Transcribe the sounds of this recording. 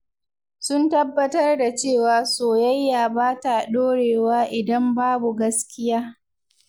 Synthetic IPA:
sʊ˦ntɐ˦bːɐ˦tɐ˦rda˨t͡ʃeː˦˨waː˨soː˨jɐ˦jːaː˨baː˦ta˨ɗoː˦ɽeː˨waː˦ʔɪ˨dɐ˦mbaː˦bu˨ɡɐ˦skʲɪ˦jaː˦

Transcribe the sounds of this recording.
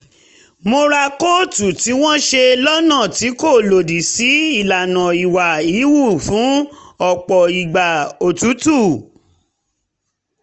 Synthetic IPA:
mo˧ɾa˧ko˦˨tu˨ti˨˦w̃ɔ̃˦ʃe˧lɔ˦nã˦˨ti˨˦ko˦˨lo˨di˨si˨˦i˦˨la˨nã˨i˨wa˨i˨˦wu˦˨fũ˨˦ɔ˦˨k͡pɔ˨i˨ɡ͡ba˨o˨tu˨˦tu˦˨

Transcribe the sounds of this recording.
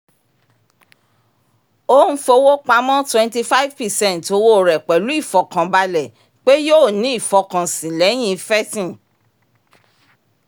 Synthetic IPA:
o˦n̩˦fo˧wo˦k͡pa˧˦mɔ̃˦twɛ̃˧nti˧fa˦i˦vpɛ˨sɛ̃˦˨nto˨˧wo˦˨ɾɛ˨k͡pɛ˨lu˨˦i˦˨fɔ˨kã˨ba˧lɛ˨ | k͡pe˦jo˦˨nĩ˨˦i˦˨fɔ˧kã˨sĩ˨lɛ˨˦j̃ĩ˦fɛ˦tĩ˦˨

